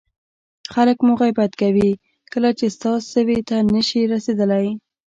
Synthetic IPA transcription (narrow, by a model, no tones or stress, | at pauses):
xaləkmuɣajbat̪kawi | kəlat͡ʃest̪ɑsəwet̪annəʃiɾased̪əlaj